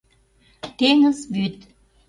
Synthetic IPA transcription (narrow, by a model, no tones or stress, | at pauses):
t̪eŋəzbyt̪